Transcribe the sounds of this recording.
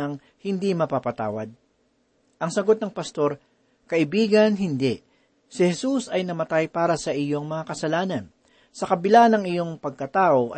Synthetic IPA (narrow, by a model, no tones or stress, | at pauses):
ɐŋ | hɪnd̪imɐpapɐt̪a̰ːwɐd̪̚ | ʔɐŋsɐɡo̞t̪̚nɐŋpɐst̪o̞ɾ | kɐʔɪbiːɡɐnɦɪnd̪ɛʔ | sɪhɛsusɐjnɐmɐt̪ajpaːɾɐsɐʔɪjo̞ŋmɐŋakɐsɐlaːnɐn | sɐkɐbɪlanɐŋɪjo̞ŋpɐɡ̚kɐt̪aːʔo̞ʔ